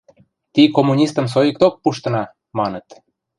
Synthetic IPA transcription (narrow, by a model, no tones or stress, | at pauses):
t̪ikomːunʲist̪əms̬ojək̚t̪ok̚puʃt̪ɤ̆nɑ | mɑnɤt̪